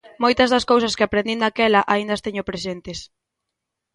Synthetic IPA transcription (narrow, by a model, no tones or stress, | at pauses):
mojt̪ɐzðɐskowsɐskɪapɾẽnd̪ind̪akɛlɐʔaind̪ɐst̪eɲopɾesent̪es